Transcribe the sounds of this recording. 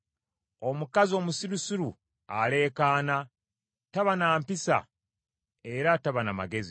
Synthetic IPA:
o̞mukazio̞ːmusiɾusuɾu | ale̞ːkaːna | taβanaːmpisa̰ | e̞ɾataβanama̰ɡe̞zi

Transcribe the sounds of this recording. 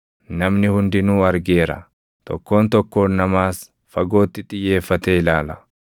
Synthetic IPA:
nɐmnɪhʊnd̪ɪnuːɐɾɡe̞ːɾɐ̰ | t̪ɔ̰kːo̞ːnt̪ɔkːo̞ːnːɐmaːs | fɐɡo̞ːt̪ːɪt̪ʼɪjːe̞ːfːɐt̪eːɪlaːlɐ

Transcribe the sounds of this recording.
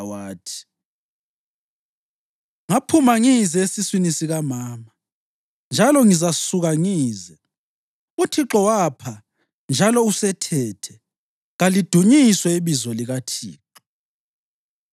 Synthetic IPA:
waːtʰi̥ | ŋapʰumaŋizɛesiswinisiɣamaːma | nd͡ʒʱalɔŋizasuɣaŋiːzɛ | utʰiǁɔwapʰa | nd͡ʒʱalɔusɛtʰɛtʰɛ | ɣalid̥ʱuɲiswɛiβizɔliɣatʰḭːǁɔ̥

